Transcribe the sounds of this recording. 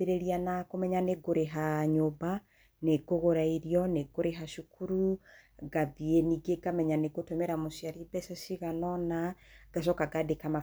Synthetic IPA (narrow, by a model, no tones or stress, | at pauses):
eɾeɾianakomɛɲaneɡoɾeɦaɲoba | neɡoɣoɾaiɾjɔneɡoɾeɦaʃukʰuɾuɡaðieniɡeɡamɛɲaneɡotomɛɾamoʃjaɾibɛsasiɣanɔnaɡ̥aʃ̬ɔkaɡadekama